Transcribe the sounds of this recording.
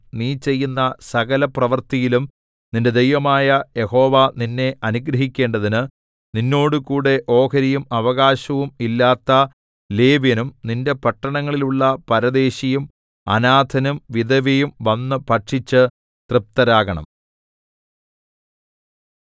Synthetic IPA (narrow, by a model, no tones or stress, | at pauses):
niːt͡ɕe̞jːunːɐsɐɣɐlɐprɐʋɐrt̪ijilum | ninde̞d̪ejʋɐmaːjɐje̞ho̞ːʋaninːe̞ɐnuɡɾɐɦikʲːe̞ːɳɖɐðinɨ | ninːo̞ːɽukuːɽe̞ʔo̞ːkɐɾijumɐʋɐɣaːɕɐʋumilːaːt̪ːɐ | le̞ːʋɐnumninde̞pɐʈːɐɳɐŋːɐɭiluɭːɐpɐɾɐd̪e̞ːɕijum | ɐ̰naːd̪ʱʰɐnumʋid̪ɐʋɐjumʋɐnːɨpɐʈʂit͡ɕːɨ | t̪rɨp̚t̪ɐɾaːɣɐɳɐ̰m